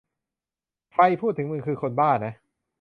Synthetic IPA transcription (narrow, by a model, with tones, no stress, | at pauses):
kʰɾa˧jpʰuː˥˩t̪ʰːɯ˩˦mɯ˧ŋkʰɯː˧kʰo˧nbaː˥˩nːa˦˥